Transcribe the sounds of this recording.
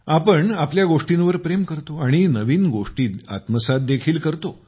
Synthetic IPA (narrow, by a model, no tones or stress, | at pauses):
apəɳapljaɡoʂʈinʋəɾpɾemkəɾt̪oaɽ̃inəʋiːnɡoʂʈiːt̪a̰t̪məsat̪̚d̪ekʰiːlkəɾt̪o